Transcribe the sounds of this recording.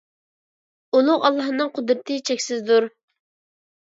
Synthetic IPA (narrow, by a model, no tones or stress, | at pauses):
ulˠʊʁɑlˠːɑhnɨŋqʰʊd̪ɾɨt̪ʰɨt͡ʃʰɛkʲsɪzd̪uɾ